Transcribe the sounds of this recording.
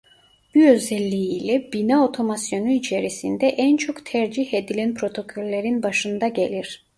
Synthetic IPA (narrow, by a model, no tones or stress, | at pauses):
b̥uø̞zɛlʲːiiːlʲɛbinaot̪ʰo̞masjo̞nuit͡ʃʰeɾisind̪ɛʔænt͡ʃʰo̞kt̪ʰæɾd͡ʒihed̪ilʲænpʰɾo̞t̪ʰo̞kʰo̞lʲːeɾinbaʃɯnd̪aɟe̞lʲiɾ̥